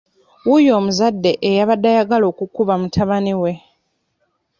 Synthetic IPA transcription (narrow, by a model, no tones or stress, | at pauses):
wujo̞ːmuzadːe̞ʔejaβadːajaɡalo̞ːkukuβamutʰaβaniwe̞